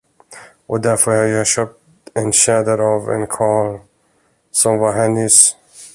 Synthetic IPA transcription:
ʔɔd̪æɾfœɾhɑɾjɵhɑɕœp̚t̪ɛnɕɛd̪əɾɑvɛ̰nkʰɑːl | sɔmvɑɾɦɛnʏs

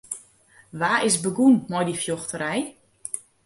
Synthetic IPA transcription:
ʋaːɪsbəɡunmɔjdifjoxtəɾɛj

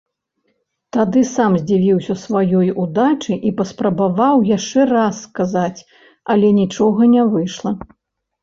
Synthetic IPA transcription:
t̪ad̪ɨsamzʲd͡zʲivʲiwsʲɐsvajɔjud̪at͡ʂɨʔipɐspɾɐbavawjaʂt͡ʂɛrasːkazat͡sʲ | ɐlʲɛnʲit͡ʂɔɣɐnʲavɨjʂlˠɐ

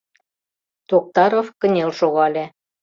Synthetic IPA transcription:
t̪ok̚t̪ɑɾofkə̆nʲelʃoɣɑlʲe

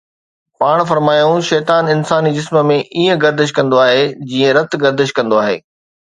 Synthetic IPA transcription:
paːɽ̃fɐɾmaːjũʃɛːt̪aːnɪnsaːnid͡ʑɪsmə̆mẽʔiːə̃ɡɐɾd̪ɪʃ̬kɐ̃nd̪oaːɦeːd͡ʑiːə̃ɾɐt̪ɡɐɾd̪ɪʃkɐ̃nd̪oaːɦḛː

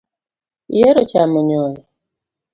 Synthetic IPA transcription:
jeɾot͡ʃaməɲɔji

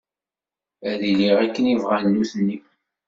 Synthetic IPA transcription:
æliliʁækːənivʁænːuθnːi

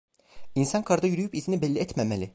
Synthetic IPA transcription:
insankʰaɾd̪ajyɾyjypizinibɛlʲːiɛt̪memelʲɪ

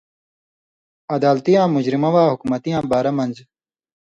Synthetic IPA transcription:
ɐd̪aːlt̪ijãːmud͡ʑɾimɐwaːɦukumɐt̪ijãːbaːɾɐmɐnd͡ʑ

